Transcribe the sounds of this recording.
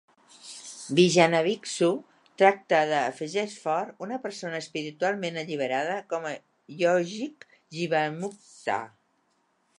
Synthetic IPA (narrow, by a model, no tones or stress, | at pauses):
biʒanəβiksu | t̪ɾak̚t̪əðəːfəʒɛʃfɔɾunəpəɾsonəːspiɾit̪ualˠmenəʎiβəɾað̞əkɔmə | ʎɔʒik | ʒiβəmuk̚t̪a̰